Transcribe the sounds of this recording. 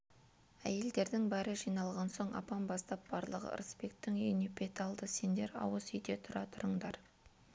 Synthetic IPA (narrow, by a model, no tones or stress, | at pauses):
æ̰je̞ld̪e̞ɾd̪ɪŋbæɾəʒijnɑlˠʁɑnso̞ɴɑ̰pɑnbɑst̪ɑp̚b̥ɑɾlˠəʁə̰ɾəsbe̞k̚t̪ːɪŋɵjnepʰʲe̞t̪ɑlˠd̪əse̞nd̪e̞ɾɑ̰wəsʏjd̪e̞t̪ʰʊɾɑt̪ʰʊɾəɴd̪ɑɾ